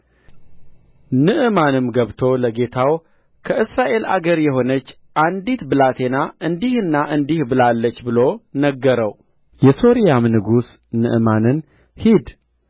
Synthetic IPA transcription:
nɨʔɨmanɨmɡəβt̪ʰo̞ləɡe̞t̪ʰaw | kʰəʔɨsɾaʔe̞lʔa̰ɡəɾjɛɦo̞nət͡ʃː | ʔand̪it̪bɨlat̪ʰe̞naʔɨnd̪ihɨnːaʔɨnd̪ihbɨlalːət͡ʃːbɨlo̞nəɡːəɾəw | jɛso̞ɾijamnɨɡus | nɨ̰ʔɨmanɨn | hid̪

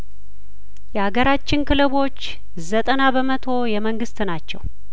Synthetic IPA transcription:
jɛhaɡəɾat͡ʃːɪnkʰɨlɨβo̞t͡ʃː | zət̪ʼənaβəmət̪ʰo̞jɛməŋɡɨst̪nat͡ʃːɛ̰w

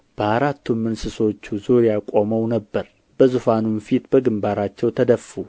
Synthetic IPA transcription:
b̥əhaɾat̪ːumːɨnsɨso̞t͡ʃːuzoɾjakʼo̞məwnəbːəɾ | b̥əzufanunfit̪bəɡɨmbaɾat͡ʃːɛwt̪ʰəd̪əfu

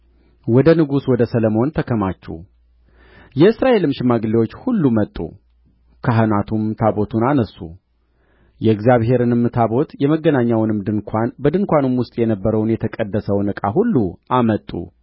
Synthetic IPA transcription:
wɔd̪ənɨɡuswɔd̪əsələmo̞nt̪ʰəkʰəmat͡ʃːɛ̰ | jɛɨsɾaʔe̞lɨmʃɪmaɡɨlewot͡ʃːhulːumət̪ʼːṵ | kʰaɦɨnat̪ʰumt̪ʰabo̞t̪ʰunanəsːṵ | jɛɨɡzjaβhe̞ɾɨnɨmːɨt̪ʰaβo̞t̪jɛməɡːənaɲːawnɨmd̪ɨnkʷʰanbəd̪ɨŋkʷanɨmwʊst̪ʼjɛnəbːəɾəwnjɛt̪ʰəkʼəd̪ːəsəwnɨkʼaɦulːuʔamət̪ʼːṵ

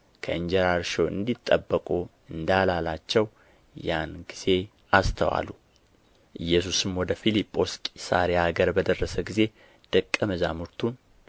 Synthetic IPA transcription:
kʰəɨɲd͡ʒɛɾaɾʃoɨ̰nd̪it̪ʼːəbːəkʼu | ɨnd̪alalat͡ʃːɛw | janɡiz̥e̞ | ast̪ʰəwa̰lːu | ʔɨjːɛs̬usɨmwɔd̪əfilipʼːo̞skʼisa̰ɾejaaɡəɾbəd̪ərːəsəɡize̞ | d̪̥əkʼːəməzamuɾt̪ʰun

